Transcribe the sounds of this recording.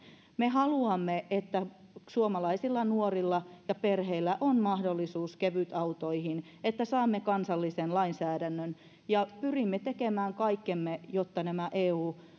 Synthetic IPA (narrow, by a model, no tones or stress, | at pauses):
mehɑluɑmːeet̪ːæ | suomɑlɑisilːɑnuorilːɑjɑperheilːæʔonmɑhdolːisuːskeʋyt̪ɑut̪oihin | et̪ːæsɑːmːekɑnsɑlːisenlɑinsæːdænːøn | jɑpyrimːet̪ekemæːŋkɑikːemːejot̪ːɑnæmæʔeːuː